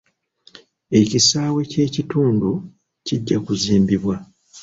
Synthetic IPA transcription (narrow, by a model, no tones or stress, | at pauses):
e̞cisaːwe̞ce̞ːcituːndu | ciɟːakuziːmbiβwa